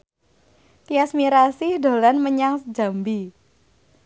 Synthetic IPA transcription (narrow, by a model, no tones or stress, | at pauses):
t̪iasmiɾasiɖo̤lanməɲaŋsəd͡ʒa̤mbi